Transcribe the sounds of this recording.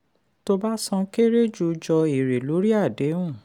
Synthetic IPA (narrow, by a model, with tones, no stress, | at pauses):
to˧ba˦sɔ̃˧ke˦ɾe˦d͡ʒu˧d͡ʒɔ˧i˨ɾe˨lo˨˦ɾi˦a˦˨dẽ˨˦ũ˦˨